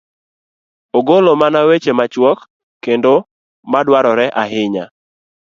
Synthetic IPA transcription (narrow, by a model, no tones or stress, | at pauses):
oɡolomanawet͡ʃemat͡ʃwɔkː | endo | madwaɾɔɾɛʔaɦɪɲa̰